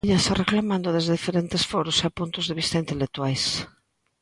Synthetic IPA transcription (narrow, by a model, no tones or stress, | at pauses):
ʎasareklamãnd̪ʊðezðeðifeɾent̪esfɔɾʊsapunt̪ʊzðeβist̪aint̪elek̚t̪uajs